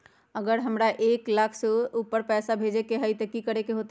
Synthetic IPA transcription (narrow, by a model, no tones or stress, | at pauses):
əɡəɾɦəmɾaʔeklakʰsəupːəɾpɛsabʱed͡ʒekeɦəjt̪əkikəɾekeɦot̪